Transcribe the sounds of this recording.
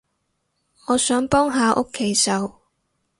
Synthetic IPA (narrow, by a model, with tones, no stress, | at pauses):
ŋɔː˨˧sœː˨˥ŋpɔː˥ŋɦaː˨˧ʔʊ˥kʰːe˨˥jsɐ˨˧w